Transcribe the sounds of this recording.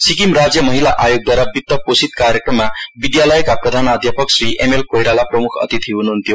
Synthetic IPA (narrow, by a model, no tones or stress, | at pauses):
sikimrad͡zjʌmʌɦilaʔajoɡ̚d̪waɾʌbit̪ːʌposit̪kaɾjekrʌmːabid̪jalʌjkaprʌd̪ʱanad̪japʌksriʔemelkojɽalaprʌmukʰʌ̰t̪it̪ʰiɦunuɦunt̪jo